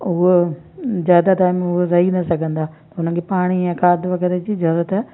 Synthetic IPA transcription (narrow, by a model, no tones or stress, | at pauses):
ʊɦo | zjaːd̪at̪aːɪmẽʊɦoɾɐɦinɐsɐɡʱə̃nd̪aːt̪ɐʊnənkʰepaːɽ̃iɛ̃kaːd̪ʋɐɡəɾed͡ʑizɐɾət̪